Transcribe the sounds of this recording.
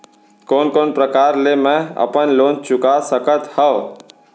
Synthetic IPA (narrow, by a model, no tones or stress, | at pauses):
koːnkoːnpɾəkaːɾlemɛ̃ə̰pənloːnt͡ʃʊkasəkət̪hə